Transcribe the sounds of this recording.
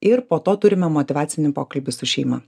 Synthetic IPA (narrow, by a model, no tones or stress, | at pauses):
ɪɾpoːt̪oːt̪ʊɾʲɪmʲɛmɔt̪ʲɪʋɑːt̪sʲɪnʲɪpoːkɐlʲbʲɪsʊʃʲɛɪmɐ